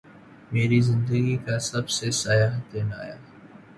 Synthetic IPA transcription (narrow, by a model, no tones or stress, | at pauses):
meːɾizɪ̃nd̪əɡikasɐbsesajaːɦt̪eːna̰ːja̰ː